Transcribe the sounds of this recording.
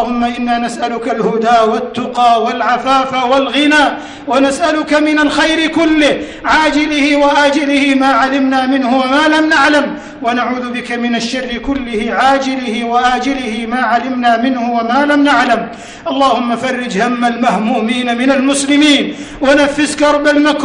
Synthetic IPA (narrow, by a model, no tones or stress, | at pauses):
hʊmːaʔɪnːaːnasʔalʊkalhʊd̪aːwat̪ːʊqɑːwalʕafaːfawalɣɪnaːʔ | wanasʔalʊkamɪnalxajɾɪkʊlːɪh | ʕaːd͡ʒɪlɪhɪwaʔaːd͡ʒɪlɪhɪmaːʕalɪmnaːmɪnhʊwamaːlamnaʕlam | wanaʕuːðʊbɪkamɪnaʃːarːɪkʊlːɪhɪʕaːd͡ʒɪlɪhɪwaʔaːd͡ʒɪlɪhɪmaːʕalɪmnaːmɪnhʊwamaːlamnaʕlam | ʔɑlˤːɑːhʊmːafɑrːɪd͡ʒhamːalmahmuːmiːnamɪnalmʊslɪmiːn | wanafːɪskɑɾˤbalmak